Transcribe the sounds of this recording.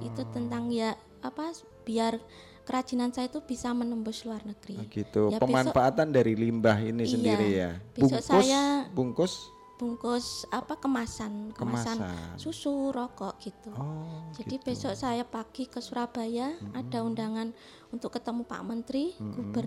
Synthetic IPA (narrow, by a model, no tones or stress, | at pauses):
ḭt̪ut̪ənt̪aŋjaʔ | apa | b̥iar | kəɾḁd͡ʒ̥i̤nansajat̪ub̥isamənəmbʊsluarnəɡ̥ɾiɡit̪ujapəbemanɔfaat̪andaɾilimbahinisəndaiɾija̰b̥eusɔʔsaʊsjabuŋkʊs | b̥uŋkʊsapakəmasankəəmasan̰susuɾɔkɔʔɡ̥it̪ud͡ʒadib̥esɔʔsajapaɡ̥ikəsuɾahb̥a̤jaːd̥a̤undaŋan | unt̪ʊkːət̪əmupa̰ʔmənt̪ɾiɡ̥ub̥ər